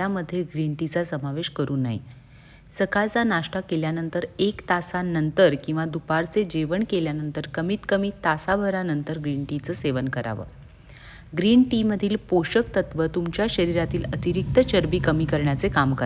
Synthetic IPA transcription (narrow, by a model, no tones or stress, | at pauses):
aməd̪ʱːjeɡɾiɳʈit͡sasəmaʋeɕkəɾuːnːa̰ɦḭ | səkalt͡sanaʂʈakeljanənt̪əɾekt̪asanːənt̪əɾkĩw̃ʋad̪upaɾt͡sed͡ʑeʋəɳkeljanənt̪əɾkəmiːt̪kəmiːt̪asabʱəɾanənt̪əɾɡɾiɳʈit͡səːseʋənkəɾa̰ʋə̰ː | ɡɾiːɳʈiməd̪ʱiːlpoɕəkt̪ət̪ʋət̪umt͡ɕjaɕəɾiɾat̪iːlət̪iɾik̚t̪ət͡ɕəɾbiːkəmiːkəɾɳjat͡sekamkə